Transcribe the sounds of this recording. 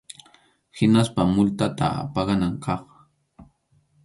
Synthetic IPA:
hɪnaspamʊlt̪at̪a̰a̰pɑɢɑnaŋkʰɑχ

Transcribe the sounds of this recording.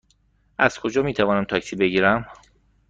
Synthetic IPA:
ʔæz̥kʰo̞d͡ʒɒːmiːt̪ʰævɒːnæmt̪ʰɒːcsiːbeɟiːɾæm

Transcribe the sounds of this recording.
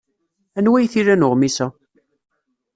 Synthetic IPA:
ænwæjθiɾænʊʁmisæ

